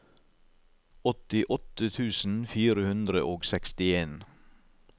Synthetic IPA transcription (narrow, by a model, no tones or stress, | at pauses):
ɔt̪ɪʔɔt̪ət̪ʰʉːsn̩fiːɾəhʉnd̪ɾəʔoːɡsɛkst̪ɪeːn